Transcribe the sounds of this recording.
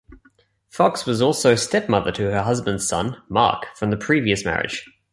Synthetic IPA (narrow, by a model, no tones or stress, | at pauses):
fɒkswɒzɔˑlˠsəʊstɛp̚mʌðətʰəəɦʌzbə̃ndz̥sʌ̰̃nmɑ̰ˑkfɹə̃mðəpʰɹ̥iːviəsmæ̰ɹɪ̰d̥ʒ̥